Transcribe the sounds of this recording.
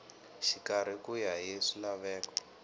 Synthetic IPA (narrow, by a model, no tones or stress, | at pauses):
ʃikaɾ̤ikujaɦeʂilaβɛːkɔ̥